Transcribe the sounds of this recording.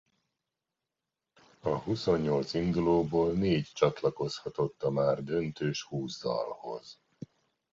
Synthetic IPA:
ɒɦuso̞ɲːo̞lt̪sind̪uloːboːlneːct͡ʃɒt̪lɒko̞shɒt̪o̞t̪ːɒmaːrd̪ø̞nt̪øːʃhuːzd̪ɒ̰lho̞̰z̥

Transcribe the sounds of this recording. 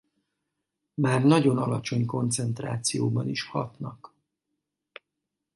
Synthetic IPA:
maːrnɒɟo̞nɒlɒt͡ʃo̞ɲko̞nt̪sɛnt̪ra̰ːt̪sijoːbɒniʃhɒ̰t̪nɒk

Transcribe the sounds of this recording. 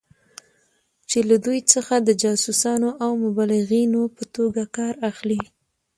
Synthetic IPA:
t͡ʃelad̪ujt͡səxad̪əd͡ʒɑsusɑnoʔawmʊbɑlɪɣinopət̪oɡakɑɾaxli

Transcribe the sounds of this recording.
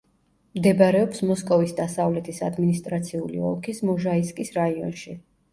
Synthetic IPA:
md̪ɛbaɾɛɔpsmɔskʼɔvisd̪asavlɛt̪ʰisad̪minist̪ʼɾat̪sʰiulḭɔ̰lˠkʰismɔʒaiskʼisɾaiɔ̰nʃi

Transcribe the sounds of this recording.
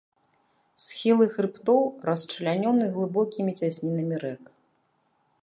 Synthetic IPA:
sʲxʲilˠɨxɾɨpt̪ɔwrɐst͡ʂɐlʲanʲɔnɨɣlˠɨbɔkʲimʲit͡sʲasʲnʲinɐmʲiɾɛk

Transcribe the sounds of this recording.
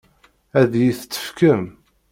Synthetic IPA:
æðjiθt͡sːə̥fkəm

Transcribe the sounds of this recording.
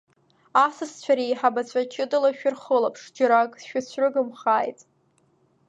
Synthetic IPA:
asɨst͡ɕʷʰaɾijħabat͡ɕʷʰat͡ʃʰɪdɨlaʃᶣʊrχəlapʰʂd͡ʒaɾakʼsʃᶣat͡ɕʷʰrɨɡɨmχaːjtʼ

